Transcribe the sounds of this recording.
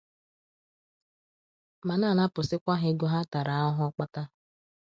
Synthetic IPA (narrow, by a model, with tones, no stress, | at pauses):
ma˨na˦˨na˦pʊ˨sɪ˦kʷa˦ɦe˦ɡʊ˦ɦa˦ta˨ɾa˨˦ɔ˦ɦʊ˦ɔ˦k͡pa˦ta˦